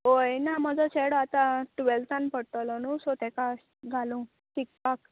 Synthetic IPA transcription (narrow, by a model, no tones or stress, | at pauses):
ɦojnaməd͡zɔt͡ɕeɽɔat̪ãʈʋɛlt̪anpəɽt̪əlɔnusot̪ɛka | ɡʱalũ | ʈik̚pak